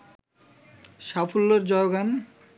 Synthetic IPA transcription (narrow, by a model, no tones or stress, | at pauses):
ʃafʰolːoɾd͡ʑɔɡan